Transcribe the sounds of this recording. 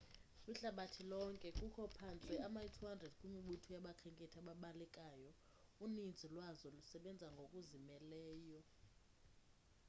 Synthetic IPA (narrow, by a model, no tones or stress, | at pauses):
miɬaɓatʰilɔŋkʼɛkʼukʰɔpʰant͡sʼɛamaitʰuɦandʱrɛdkʼumiɓutʰujaɓakʰɛŋkʼɛtʰaɓaɓalɛkʼajɔ | unind͡zʱilwazɔlusɛɓɛnd͡zʱaŋɡʱokʼuzimɛlɛːjɔ